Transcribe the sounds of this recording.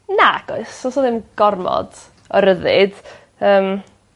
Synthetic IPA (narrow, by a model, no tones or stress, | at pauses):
naɡ̥ɔɨsosɔðɪmɡ̥ɔrmɔ̰d̥ | ɔɾəðɨ̰d̥ | əːm